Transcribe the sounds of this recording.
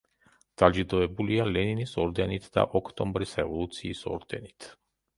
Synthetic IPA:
d̪̥ad͡ʒid̪ɔɛbulialɛninisɔɾd̪ɛnit̪ʰd̪a̰ʔɔkʰt̪ʼɔmbɾisɾɛvɔlˠut̪sʰiːsɔ̰ɾd̪̥ɛ̰nit̪ʰ

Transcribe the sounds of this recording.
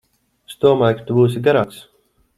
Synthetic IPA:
sd̪uɔmaːjkḁt̪ubuːsiɡaɾaːks

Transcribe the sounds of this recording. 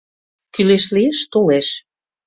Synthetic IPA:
kyleʃlieʃt̪oleʃ

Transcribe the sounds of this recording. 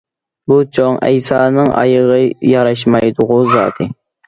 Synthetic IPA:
but͡ʃʰoŋɛ̰jsɑːnɨŋɑ̰jəʁəjɑɾɑʃ̬mɑjd̪ʊʁʊzɑ̰ːd̪ʰɨ

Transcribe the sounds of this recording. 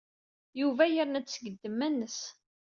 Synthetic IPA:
juvæjəɾnæt͡sːt͡sːəɡəd̪ːəmːænːəs

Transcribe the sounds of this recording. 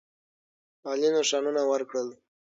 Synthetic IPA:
ɑlinoʃɑnunawəɾkɽəl

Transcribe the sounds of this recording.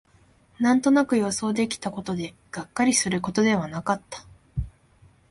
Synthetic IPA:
nãnt̪o̞nakɯ̟jo̞so̞ːd̪e̞kʲi̥t̪ako̞t̪o̞d̪e̞ | ɡ̥akːaɾʲisɨɾɯ̟ko̞t̪o̞d̪e̞βanakat̪ːḁ

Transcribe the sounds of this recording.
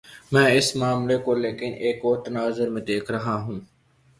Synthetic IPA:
mɛ̃ːɪsmaːmlekoːleːkɪneːkoːɾt̪ɐnaːzəɾmẽd̪eːkʰɾɐɦãːɦũː

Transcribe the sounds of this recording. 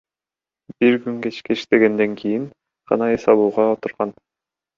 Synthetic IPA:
b̥iɾkyŋket͡ʃkɛiʃt̪ɛɡɛnd̪ɛŋkʰijiŋ | qʰɑ̰nɑɯsɑlˠuːʁɑot̪uɾʁɑn

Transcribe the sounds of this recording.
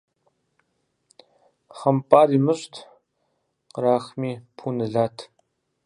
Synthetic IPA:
χɐmpʼaːɾiːmɨɕtʰ | qəɾaːχmiːpʰuːnɨɮaːtʰ

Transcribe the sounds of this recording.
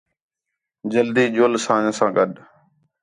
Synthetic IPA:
d͡ʒəld̪iːd͡ʒoːlsãːɲəsãːɡəɗ

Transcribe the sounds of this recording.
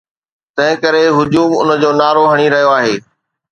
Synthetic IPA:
t̪ɐ̃ɦɪ̃kɐɾeɦʊd͡ʑuːmʊ̰nə̆d͡ʑoːnaːɾoɦɐɽ̃iɾɐɦijoaːɦeː

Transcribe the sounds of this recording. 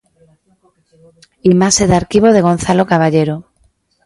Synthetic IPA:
imaseðaɾkiβ̞oð̞eɣ̞on̟θalokaβ̞aʎeɾo

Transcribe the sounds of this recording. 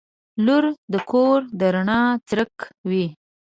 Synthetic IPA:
luɾd̪əkʰoɾd̪əɾaɳɑt͡sɾəkwi

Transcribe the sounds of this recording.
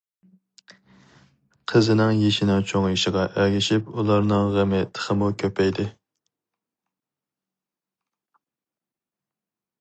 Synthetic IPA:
qʰəzɪnɪŋjeʃɪnɛŋt͡ʃʰoŋjeʃɪʁɑʔæɡʲɪʃipulˠɑɾnɨŋʁəmɪt̪ʰə̥χəmukʲʰøpʰɛjd̪ɪ

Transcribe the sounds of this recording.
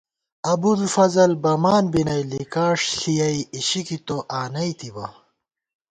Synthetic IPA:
ɐbulfɐzɐlbɐmaːnbinɐjlikaːʂɬijɐiiɕikit̪oʔaːnɐit̪ibɐ̰

